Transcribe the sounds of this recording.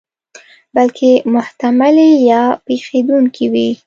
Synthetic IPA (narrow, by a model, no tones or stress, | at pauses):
balkʰemʊht̪amalejɑpexed̪uŋkʰiwi